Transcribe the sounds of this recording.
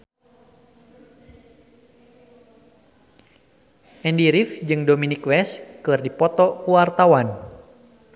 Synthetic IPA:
ʔɛndiɾifd͡ʒɨŋdɔminikwɛskɨrdipɔt̪ɔkuwart̪awan

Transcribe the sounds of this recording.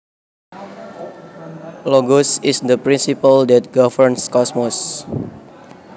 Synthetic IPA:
lɔɡɔsisd̪əpɾĩnsipəldɛt̪̚ɡavərnskɔsmɔs

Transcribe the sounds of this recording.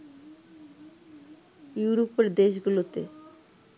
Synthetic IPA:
juɾopeɾd̪eʃ̬ɡulot̪e

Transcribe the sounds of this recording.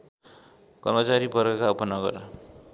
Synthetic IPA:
kʌrmʌt͡saɾipʌrɡakaupʌnʌɡʌ̰r

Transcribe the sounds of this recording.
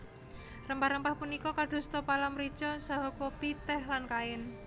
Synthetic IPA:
rəmpaɾəmpahpunikɔkaɖ̪̥ṳst̪ɔpalamɾi̥t͡ʃɔsaɦɔkopit̪ɛhlankaɪn

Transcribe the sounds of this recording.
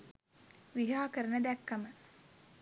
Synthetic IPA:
ʋiɦaːkəɾənəd̪ækːɐmə

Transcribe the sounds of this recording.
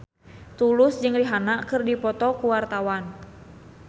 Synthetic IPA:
t̪ulʊsd͡ʒɨŋriɦanakɨrdipɔt̪ɔkuwart̪awan

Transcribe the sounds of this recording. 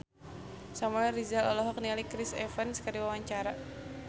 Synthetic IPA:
samalɛɾizalɔlɔɦɔk̚nialikɾisɛfɛnskədiwawaɲt͡ʃaɾa

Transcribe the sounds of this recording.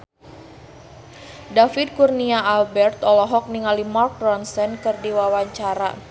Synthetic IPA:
dafid̚kurniaalbɛrt̪ɔlɔɦɔk̚niŋalimark̚rɔnsɛnkɨrdiwawaɲt͡ʃaɾa̰

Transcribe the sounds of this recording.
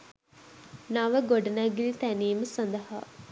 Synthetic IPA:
nɐʋəɡoɖɐnæɡilit̪æniːməsɐnd̪ɐɦaː

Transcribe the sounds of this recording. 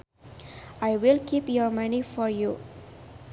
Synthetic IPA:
ʔajwilkʰipjɔɹmanifɔɹju

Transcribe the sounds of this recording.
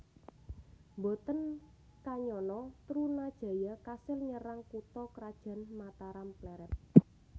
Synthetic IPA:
mbɔt̪ən | kaɲɔnɔt̪ɾunad̥ʒ̥ä̤jakasɪlɲəɾaŋkut̪ɔkɾad̥ʒ̥a̤nmat̪aɾamplɛɾɛp̚

